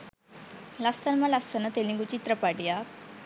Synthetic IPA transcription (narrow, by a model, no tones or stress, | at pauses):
lasənmalasənat̪elĩŋɡut͡ɕit̪ɾəpaɽjak